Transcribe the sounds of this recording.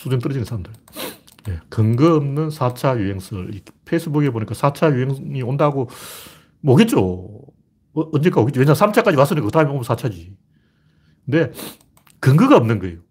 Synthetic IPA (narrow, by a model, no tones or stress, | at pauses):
sʰudumit͈ɯɾʌd͡ʑinɯnsʰaɾamndɯɭ | jekɯŋɡɯʌmnɯnsʰat͡ɕʰajuɦe̞ŋsʰɯɾipʰeis͈ʰɯbuɡeboɲik͈asʰat͡ɕʰajuɦeŋiondaɡo | moɡet̚t͡ɕ͈o | nd͡ʑek͈aoɡett͡ɕ͈owenɲd͡ʑʰaŋsʰamt͡ɕʰak͈ad͡ʑiwas͈ɯɲik͈akɯd̥aɦɯmeomnsʰat͡ɕʰad͡ʑi | kɯnde̞ | kɯŋɡɯɡaʌmnɯnɡʌejo